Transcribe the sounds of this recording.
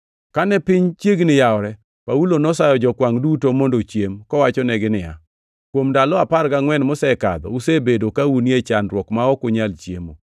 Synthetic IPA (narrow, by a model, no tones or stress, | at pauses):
kanɛpɪɲt͡ʃjeɡnɪjaɔɾɛ | paulonɔsajɔd͡ʒɔkwaŋdutomondot͡ʃjemkɔwat͡ʃɔnɛɡɪnɪja̰ | kwomdalɔaparkaŋwɛnmɔsɛka̰d̪ɔ̰usebedokauniet͡ʃanɾwɔkmaɔkʊɲalt͡ʃjemo̰